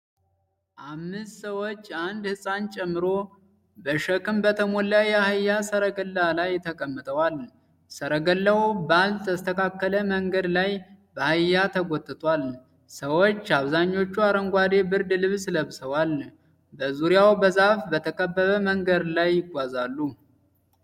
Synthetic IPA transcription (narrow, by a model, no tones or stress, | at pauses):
ʔamːɨst̪səwot͡ʃːand̪hɨsʼant͡ʃʼɛmːɨɾo̞ | bəʃəkɨmbət̪ʰəmolːajːɛhajːasəɾəɡəlːalajt̪ʰəkʼəmːət̪ʼəwal | səɾəɡəlːawbəalt̪t̪ʰəst̪ʰəkʰakːələməŋɡəd̪lajbəhajːat̪ʰəɡʷot̪ʼːɨt̪ʼwal | səwot͡ʃːaβzaɲːo̞t͡ʃːuaɾəŋɡʷad̪ebɨɾd̪lɨβsɨləβsəwal | bəzuɾijawbəzafbət̪ʰəkʼəbːəβəməŋɡəd̪lajːɪɡʷazalːu